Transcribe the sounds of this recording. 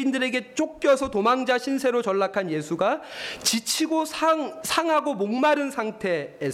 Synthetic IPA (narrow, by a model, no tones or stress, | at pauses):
indɯɾe̞ɡe̞t͡ɕ͈ok̚k͈jʌsʰʌtomaŋd͡ʑaɕʰinsʰe̞ɾot͡ɕʌɭːakʰanje̞sʰuɡat͡ɕit͡ɕʰiɡosʰasʰaŋɦaɡomoŋmaɾɯnsʰaŋtʰe̞ːs